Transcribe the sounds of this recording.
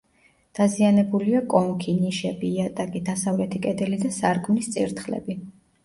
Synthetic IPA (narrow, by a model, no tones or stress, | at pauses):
d̪̥azianɛbuliakʼɔŋkʰiniʃɛbiat̪ʼakʼid̪asavlɛt̪ʰikʼɛd̪ɛlid̪asaɾkʼmnist̪sʼḭɾt̪ʰχlɛ̰bi